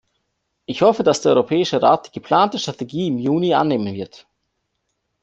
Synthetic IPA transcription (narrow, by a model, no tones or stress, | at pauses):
ʔɪçhɔfədasd̥eːɐɔʏʁopʰɛːɪʃəʁaːt̚d̥iːɡ̥əpʰl̥aːntəʃtʁ̥ateɡiːɪmjuːnia̰ːnːeːmənvɪɐt